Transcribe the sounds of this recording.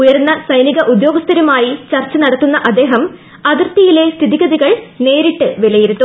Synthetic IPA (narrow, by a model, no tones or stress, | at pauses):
ujɐɾunːɐsɐjniɣɐʔud̪jo̞ːɡɐst̪ʰɐɾumaːjit͡ɕɐrt͡ɕːɐnɐɽɐt̪ːunːɐʔɐd̪ːe̞ːɦɐm | ɐðirt̪ːijile̞st̪ʰiðiɣɐðiɣɐɭne̞ːɾiʈːɨʋelɐjiɾut̪ːu